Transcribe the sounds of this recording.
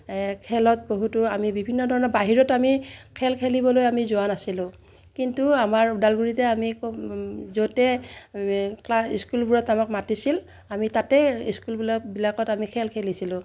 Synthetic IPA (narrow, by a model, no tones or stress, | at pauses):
kʰɛlɔt̚boɦutuamibibʱinːɔdʱɔɹɔnɔbaɦiɹɔtamikʰɛlkʰelibɔlojamizʊanasilʊ̃ | kintuamaɹudalɡuɹitɛamikzotɛ | klasiskulbuɹɔtamakmatisil | amitatɛiskulblabilakɔtamikʰɛlkʰelisilʊ̃